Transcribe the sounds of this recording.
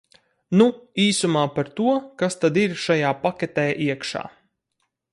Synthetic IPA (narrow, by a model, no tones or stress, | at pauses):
nuiːsumaːpaɾt̪uɔkast̪ad̪iɾʃajaːpakʲɛt̪ɛːʔiɛkʃa̰ː